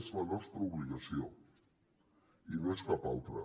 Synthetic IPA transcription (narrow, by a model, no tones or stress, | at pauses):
zlənɔst̪ɾəuβliɣəsio | ineskapalˠt̪ɾə̰